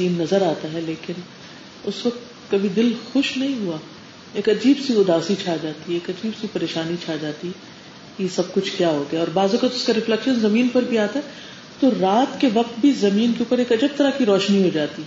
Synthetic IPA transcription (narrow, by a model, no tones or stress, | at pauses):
iːnːɐzəɾaːt̪aɦɛleːkɪn | ʊsʋɐq̚t̪ | kɐbʱid̪ɪlxʊʃnɐɦĩɦua | eːkɐd͡ʒiːbsiʊd̪aːsit͡ʃʰaːd͡ʒaːt̪iɛeːkɐd͡ʒiːbsipɐɾeːʃaːnit͡ʃʰaːd͡ʒaːt̪iɦɛ | kijesɐb̚kʊt͡ʃʰkjaːɦoːɡɐaɔːɾbaːzokət̪ʊskaɾɪflɛkʃənzɐmiːnpɐɾbʱiaːt̪aɦɛ | t̪oɾaːt̪keʋɐqt̪̚bʱizɐmiːnkeuːpəɾeːkɐd͡ʒəb̚t̪ɐɾakiɾɔːʃniɦod͡ʒaːt̪i